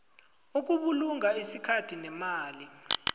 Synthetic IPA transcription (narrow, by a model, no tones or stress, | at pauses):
uk̬uɓuluŋaisikʰatʰinɛmaːli